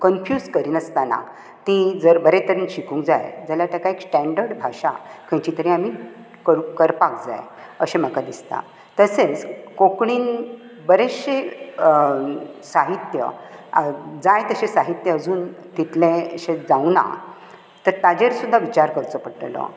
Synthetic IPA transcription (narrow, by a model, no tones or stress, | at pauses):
kənfjuːd͡zkəɾiːnəst̪ana̰ | t̪id͡zəɾbəɾet̪əɾiːnɕikũŋkd͡zajd͡zaljaʈəkaeksʈɛ̃ɳɖəɾɖbʱaʂa̰kʰə̃t͡ɕit̪əɾiam̤i | kəɾukəɾpak̚d͡za̰j | əɕem̤əkad̪ist̪a̰ | t̪əset͡skokɽiːn | bəɾeɕe | saɦit̪jə̰ | d͡zajt̪əɕesaɦit̪jəəd͡zuːnt̪it̪lẽɕẽd͡zawna̰ | t̪əɾt̪ad͡ʑeɾsud̪ʱːaʋit͡ɕaɾkəɾt͡səpəʈlɔ̰